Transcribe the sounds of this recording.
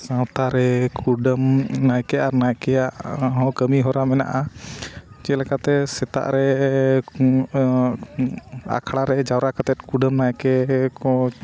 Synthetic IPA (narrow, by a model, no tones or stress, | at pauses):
sãwt̪aɾɛkʰuɖəmnajkɛaɾnajkɛjaʔɦɔ̃kəmiɦɔɾamɛna̰ʔa | t͡ʃɛlɛkat̪ɛsɛt̪a̰ʔɾɛ | a̰kʰɽaɾɛd͡ʒawɾakat̪ɛt̪̚kuɖəmnajkɛkɔ